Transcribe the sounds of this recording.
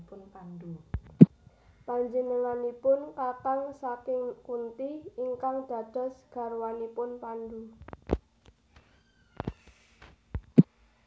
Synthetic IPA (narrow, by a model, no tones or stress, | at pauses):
pʊnpand̪u | paɲd͡ʒənəŋanipʊnkakaŋsakɪŋkunt̪iiŋkaŋd̪̥ä̤d̪̥ɔ̤sɡ̥ä̤ɾwanipʊnpand̪u